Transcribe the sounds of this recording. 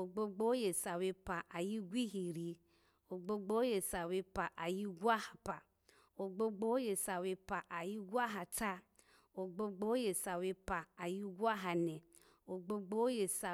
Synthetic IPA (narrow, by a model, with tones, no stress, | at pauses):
o˨ɡ͡bo˦ɡ͡bo˦je˨sa˨we˧pa˨ʔa˨ji˦ɡʷi˦ɦi˨ɾi˨ | o˨ɡ͡bo˦ɡ͡bo˦je˨sa˨we˧pa˨ʔa˨ji˦ɡʷu˦a˦ha˨pa˨ | o˨ɡ͡bo˦ɡ͡bo˦je˨sa˨we˧pa˨ʔa˨ji˦ɡʷa˦ɦa˨ta˦ | o˨ɡ͡bo˦ɡ͡bo˦je˨sa˨we˧pa˨a˨ji˦ɡu˦a˦ɦa˨ne˨ | o˨ɡ͡bo˦ɡ͡bo˦je˨sa˨